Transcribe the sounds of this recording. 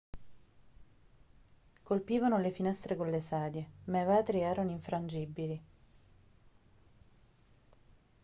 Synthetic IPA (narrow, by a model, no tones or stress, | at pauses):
kolpiːvanolefinɛst̪ɾekolːesaːd̪jemajvaːt̪ɾiɛːɾanoiɱfɾand͡ʒibili